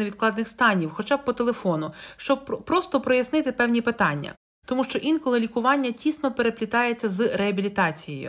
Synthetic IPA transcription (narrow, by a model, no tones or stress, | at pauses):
eʋʲid̪̚klˠɑd̪nɪxst̪ɑnʲiwxɔt͡ʃɑb̚pɔt̪e̞lˠefɔnʊʃt͡ʃɔb̚pɾɔst̪ɔpɾɔjɐsnɪt̪ɪpɛwnʲipɪt̪ɑnʲːɐ̰ | t̪ɔmuʃt͡ʃɔʔinkɔlˠɪlʲikʊʋɑnʲːɐtʲisnɔpeɾe̞pʲlʲit̪ɑjet͡sʲːɐzɾeɐbʲilʲit̪ɑt͡sʲijḛjʊ̰